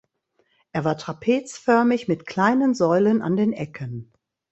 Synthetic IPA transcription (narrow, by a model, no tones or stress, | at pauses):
ʔeːɐvaːɐtʁ̥apʰeːt͡sfœɐmɪçmɪtkʰl̥aɪnənzɔʏlənʔa̰ndeːnʔɛkʰən